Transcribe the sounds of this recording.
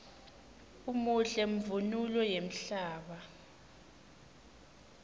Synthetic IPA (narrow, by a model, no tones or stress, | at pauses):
umuɬɛm̩vunulɛjem̩ɬaːɓa